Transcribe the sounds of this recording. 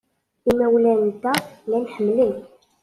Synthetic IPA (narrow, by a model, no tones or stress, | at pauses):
imæwlænt̪ːælænħəmːlin